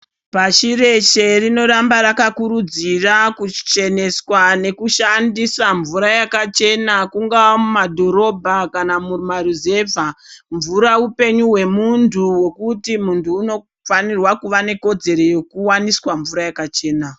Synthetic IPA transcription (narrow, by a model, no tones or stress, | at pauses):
paʃire̞t͡ʃe̞rino̞ɾambaɾakakuɾud͡zirakut͡ʃe̞ne̞swane̞kuʃandisaɱvuɾajakat͡ʃe̞nakuŋɡawamumadʱo̞ɾo̞bʱakanamumaɾize̞vʱaɱvuɾaupe̞ɲuɦwe̞muntʰuwe̞kutimuntʰuːno̞ | fanirwakuʋane̞ko̞d͡ze̞ɾo̞jo̞kuwaniswaɱvuɾajakat͡ʃe̞ːna